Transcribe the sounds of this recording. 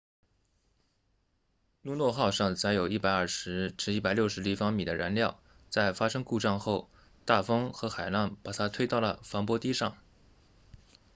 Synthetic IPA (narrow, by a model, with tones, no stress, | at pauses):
nu˥˧nwɔ˥˧xɑ˥˧ʊʂɑ˥˩ŋt͡sa˧˥ɪjo˨˩ʊi˥˩pa˨˧˩ɪɐ˞˥˩ʂɻ̩˧˥ʈ͡ʂɻ̩˧˥i˥˩pa˨˩ljo˥˩ʊʂɻ̩˧˥li˥˩fɑ˥ŋmi˨˩d̪ə˦ɻa˧˥nljɑ˥˧ʊ | t͡sa˥˩ɪfa˥ʂɤ˥ŋku˥˧ʈ͡ʂɑ˥˧ŋxo˥˧ʊ | t̪a˥˩fɤ˥ŋxɤ˧˥xa˨˩ɪla˥˩npa˨˩t̪ʰa˥t̪ʰwe˥ɪt̪ɑ˥˩ʊlə˩fɑ˧˥ŋpwɔ˥t̪i˥ʂɑ˥˩ŋ